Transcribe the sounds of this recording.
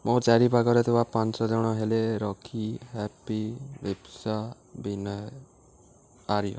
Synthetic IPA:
mõd͡ʒaɾipaɡɔɾet̪ʰibapansɔd͡ʒɔɽ̃ɔɦeleɾɔkʰihɛpibebsa | binɔ | aɾijɔ̰

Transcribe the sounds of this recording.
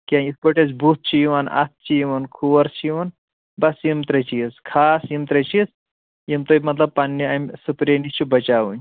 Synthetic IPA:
kʲiãispoʈes̬but̪̚t͡ʃʰijiʋɐnɐ̰t̪̚t͡ʃʰijiʋɐnkʰuʋɐɾst͡ʃʰiʋɐn | bɐsjimt̪ɾɐt͡ʃiskʰaːsjimt̪ɾɐt͡ʃis | jimt̪omɐt̪lɐb̚panːiamsupɾenist͡ʃʰubɐt͡ʃaːʋun

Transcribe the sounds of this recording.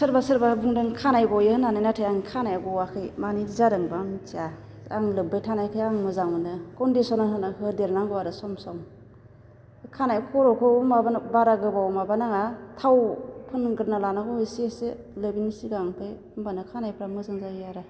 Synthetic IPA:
sɯɾbasɯɾbabuŋdɯŋkʰanajɡɔjehɯnanajnatʰajaŋkʰanajaɡɔwakʰɯjmanizadɯŋbamtia | aŋlɯbajtʰanajkʰɯjaŋmɯzaŋmɯnɯkɔndisɔnaɦɯnahɯdeɾnaŋɡɔwaɾɯsɔmsɔŋm | kʰanakʰɔɾɔkʰɔmabanbaɾaɡɯbawmabanaŋatʰawpʰɯnɡɯɾnalanaɡɔejsese | lɯbinisiɡaŋpʰaj | umbanɯkʰanajpʰɾamɯzaŋzajiaɾa

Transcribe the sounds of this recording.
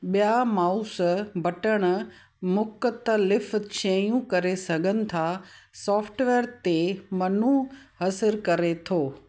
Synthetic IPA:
ɓijamaːusbɐʈəɽ̃ʊ̆ | mʊk̆t̪əlɪft͡ɕʰẽjũkɐɾesɐɡʱənɪ̆t̪ʰasɔːfʰʈʋeːɾt̪emɐnuɦɐsɪɾkɐɾet̪ʰoː

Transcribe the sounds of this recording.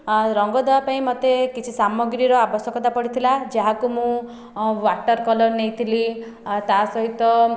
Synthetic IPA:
ɾɔŋɡɔd̪ebapaĩmɔt̪ekit͡ʃʰisamɔɡɾiɾɔabɔsjɔkɔt̪apɔɽit̪ʰilad͡ʒaɦakumũ | waʈɔɾkɔlɔɾnejt̪ʰili | t̪asɔɦit̪ɔ

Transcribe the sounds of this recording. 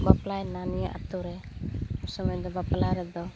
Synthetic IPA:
baplaɛnanijɔʔa̰t̪uɾɛ | usɔmɛd̪ɔbaplaɾɛd̪ɔ

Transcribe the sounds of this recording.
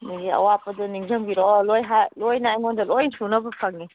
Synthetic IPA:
niɡiɐ̰wapɐduniŋzɐmɡiɾɔlojɦalojnajŋɔndɐlojnsunɐbɐpʰaŋni

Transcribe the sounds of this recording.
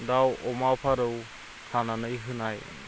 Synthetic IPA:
dawʔɔmawpʰaɾəw | hʰananəjɦɯnaj

